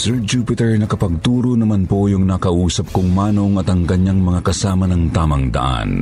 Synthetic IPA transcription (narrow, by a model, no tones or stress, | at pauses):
sɛɹd͡ʒuːpɪt̪ɛɹnɐkɐpɐɡ̚t̪uːɾonɐmanpojʊŋnɐkɐʔuːsɐp̚kʊŋmaːnoŋɐt̪ɐŋkɐɲjaŋmɐŋakɐsaːmɐnɐŋt̪aːmɐŋd̪ɐ̰ʔa̰n